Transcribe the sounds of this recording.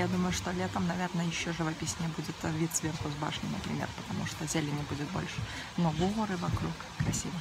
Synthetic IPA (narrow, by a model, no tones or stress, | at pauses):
jad̪uməjʊʂt̪olʲet̪əmnɐvʲernəjɪɕːoʐɨvɐpʲisʲnʲɪəbud͡zʲɪt̪vʲit̪svʲerxʊzba̰ʂnʲɪnəpɾʲɪ̰mʲḛrpə̥t̪ɐmuʂt̪ozʲelʲɪnʲɪbud͡zʲɪt̪̚bo̰lʲʂɨ̥ | noɡoɾɨvɐkɾuk | kːɾɐsʲivə